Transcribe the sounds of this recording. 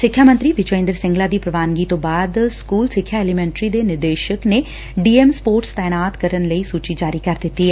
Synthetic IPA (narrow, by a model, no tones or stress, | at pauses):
sɪkʰːjaːmə̃nt̪ɾiːʋɪt͡ʃoɪ̃ːnd̪əɾsɪ̃ŋɡlaːd̪iːpɾəʋaːnɡiːt̪õːbaːd̪skuːlsɪkʰːjaːɛːlimɛ̃ːɳʈɾiːd̪eːnɪɾd̪eːʃəkne | ɖiːemspoːɾʈst̪ɛːnaːt̪kəɾənləiːsuːt͡ʃid͡ʒaːɾikəɾd̪ɪt̪ːiːɛ